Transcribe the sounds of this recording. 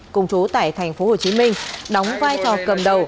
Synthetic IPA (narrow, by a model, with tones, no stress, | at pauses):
kʊ̰˨˩ŋ͡mt͡ɕu˨˦t̪a̰ː˧˨jt̪ʰa˨˩jŋ̟fo˨˦ho˨˩t͡ɕi˨˦mï˧ŋ̟ɗɔ˨˦wŋ͡mvaː˧jt͡ɕɔ˨˩kə˨˩mɗə˨˩w